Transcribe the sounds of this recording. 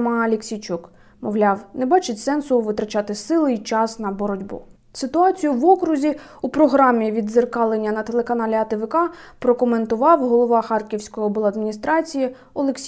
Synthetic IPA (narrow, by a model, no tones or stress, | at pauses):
mɑɐlʲeksʲijt͡ʃuk | mɔʋlʲɑwnebɑt͡ʃɪtʲsɛnsʊʋɪt̪ɾɐt͡ʃɑt̪ɪsɪlˠɪjt͡ʃɑsnɐbɔɾɔdʲbṵ | sɪt̪ʊɑt͡sʲijʊʋɔkɾʊzʲi | upɾɔɦɾɑmʲiʋʲid̪zerkɑlˠenʲːɐnɐt̪elˠekɐnɑlʲiɐt̪eʋɪkɑpɾɔkɔme̞nt̪ʊʋɑwɦɔlˠɔʋɑxɑrkʲiwsʲkɔjɔbɔlˠɐd̪mʲinʲist̪ɾɑt͡sʲiji | ɔlˠeksʲ